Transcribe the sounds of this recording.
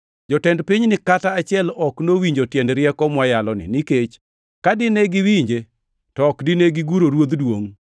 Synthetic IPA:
d͡ʒɔtɛndpiɲnɪkataat͡ʃɪɛlɔknowiɲd͡ʒotjɛndɾɪɛkɔmwajalɔnɪ̰niket͡ʃ | kadɪneɡɪwiɲd͡ʒe | tɔːkdɪneɡɪɡuɾoɾwod̪dwoŋ

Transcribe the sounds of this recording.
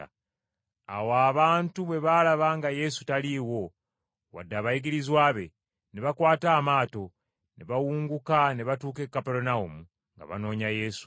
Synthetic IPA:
a̰waːβaːntuβe̞βalaβaŋɡaje̞su̥taliwo̞ | wa̰dːaβajiɡiɾizwaːβe̞ | neβakwaːtaːmaːto̞ | ne̞βawuːŋɡukane̞βatuːke̞kːapeɾonaumu | ŋɡa̰βa̰no̞ːɲaje̞ːsu̥

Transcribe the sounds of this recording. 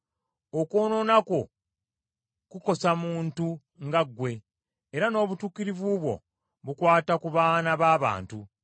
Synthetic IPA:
okoːno̞ːnako̞ | kuko̞samuːntu | ŋɡaɡːwe̞ː | ɾano̞ːβutuːkiɾivuβwo̞̰ | βukwaːtakuβaːnaβaːβa̰ːntu

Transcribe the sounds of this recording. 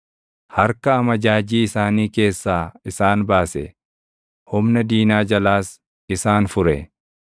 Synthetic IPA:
hɐɾkɐːmɐd͡ʒaːd͡ʒiːɪsaːniːke̞ːsːaːɪsaːnbaːsɛ̰ | hʊmnɐd̪iːnaːd͡ʒɐlaːs | ɪsaːnfʊɾɛ

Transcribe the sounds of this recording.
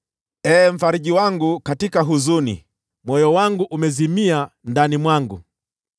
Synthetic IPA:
ɛːm̩faɾiʄiwaŋɡukatikaɦuzunḭ | mwɔjɔwaŋɡuʔumɛzimiandanimwaŋɡṵ

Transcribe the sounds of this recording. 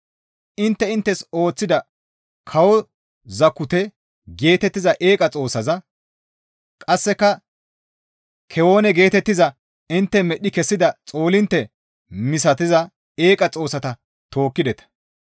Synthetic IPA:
ʔɪnt̪ːɛɪnt̪ːɛso̞ːt͡sːɪd̪ɐ | kʰɐwɔ | zɐkːʊt̪ɛ | ɡe̞ːt̪ɛt̪ːɪzɐʔeːkʼɐt͡sʼo̞ːsɐzɐ | kʼɐsːɛkːɐ | kʰɛwo̞ːnɛɡe̞ːt̪ɛt̪ːɪzɐ | ɪnt̪ːɛmɛɗɪkɛsːɪd̪ɐt͡sʼo̞ːlɪnt̪ːɛ | mɪs̬ɐt̪̬ɪzɐ | eːkʼɐt͡sʼo̞ːsɐt̪ɐ | t̪o̞ːkːɪd̪ɛt̪ɐ̥

